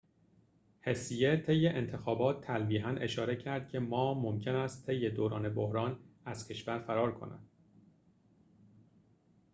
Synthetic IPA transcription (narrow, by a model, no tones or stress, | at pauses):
he̞sije̞t̪ʰe̞jːe̞ʔent̪ʰe̞xɒːbɒːt̪ʰːælbiːɦæne̞ʃɒːɾe̞cʰæɾd̪̥̚cʰe̞mɒːmomcʰe̞næst̪t̪ʰːe̞jːe̞d̪oːɾɒːne̞bohɾɒːnæzcʰe̞ʃvæɾfæɾɒːɾkʰo̞̰nʔæ̰d̪̥